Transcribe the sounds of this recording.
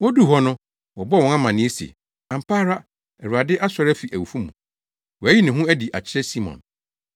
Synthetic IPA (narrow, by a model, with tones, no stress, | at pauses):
wɔ˦du˦ɦɔ˦nʊ̃˦ | wɔ˨bɔ˦wɔ̃˦na˦mã˨nɪ̃˦e˦sḛ˨ | ã˨m̩˨pʰaː˦ɾa˦ | ɛ˨ɾu˨a˨dɪ˦ʔa˦sɔ˨ɾæ˦fi˨ʔæ˨wu˨fu˦mṵ̃˨ | wɔ˨æ˦ji˦nɪ̃˨ɦũ˦æ˦di˨ʔa̰˨t͡ɕʰɪ˦ɾɛ˦si˦mɔ̰̃˨n